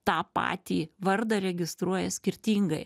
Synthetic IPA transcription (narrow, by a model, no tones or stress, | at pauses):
t̪ɑːpɑ̰ːt̪ʲiːʋɐɾd̪ɐɾʲɛɡʲɪst̪ɾuɔjɛsʲkʲɪɾʲt̪ʲiːŋɡɐɪ